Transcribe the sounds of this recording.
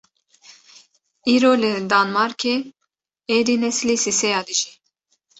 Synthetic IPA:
iːɾoːlɨd̪ɑːnmɑɾkʰeː | eːd̪inɛslisisɛjɑːd̪ɨʒi

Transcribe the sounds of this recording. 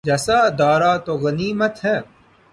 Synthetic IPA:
d͡ʒɐsaːd̪aːɾaːt̪oɣɐniːmɐt̪hɛ̃ː

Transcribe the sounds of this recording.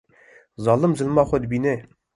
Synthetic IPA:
zɑlˠəmzə̆lmɑχod̪binɘ

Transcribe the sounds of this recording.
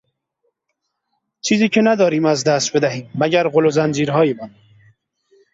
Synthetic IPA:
t͡ʃʰiːziːcʰenæd̪ɒːɾiːmæzd̪æst̪̚be̞d̪æɦiːmːæɟæɾɣolozænd͡ʒiːɾɦɒːjemɒːn

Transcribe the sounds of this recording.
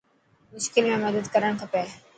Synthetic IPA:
mʊʃkɪlmẽməd̪əd̪kəɾəɳ̃kʰəpeː

